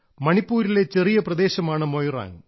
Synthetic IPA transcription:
mɐɳipːuːɾile̞t͡ɕe̞rijɐprɐd̪e̞ːɕɐmaːɳɨmojra̰ːn

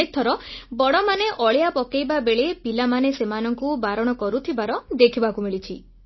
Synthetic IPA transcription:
ek̚t̪ʰɔɾɔbɔɽɔmaneʔɔɭjapɔkejbabeɭepilamanesemanɔŋkubaɾɔɽ̃ɔkɔɾut̪ʰibaɾɔd̪ekʰibakumiɭit͡ʃʰi

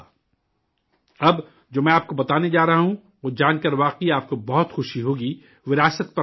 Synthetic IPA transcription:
ɐb | d͡ʒoːmɛ̃aːp̚kobɐt̪aːned͡ʒaːɾɐɦaɦũ | oːd͡ʒaːnkɐɾʋaːqiaːp̚kobɔɦʊt̪xʊʃiɦoːɡi | ʋɪɾaːsət̪̚pɐ

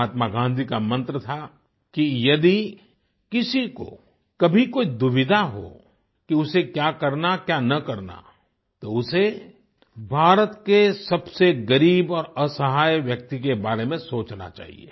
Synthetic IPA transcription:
aːt̪maɡãːnd̪ʱikamɐ̃nt̪ɾət̪ʰa | kijɐd̪i | kɪsiko̰ | kɐbʱikoːid̪ʊʋɪd̪ʱaɦo̰ | kiʊsekjaːkɐɾnakjaːnɐkɐɾna̰ | t̪oʊse | bʱaːɾət̪kesɐbseɡɐɾiːbɔːɾəsəɦaːjʋjɐk̚t̪ikebaːɾemẽsoːt͡ʃna̰t͡ʃa̰ːɦḭḛː

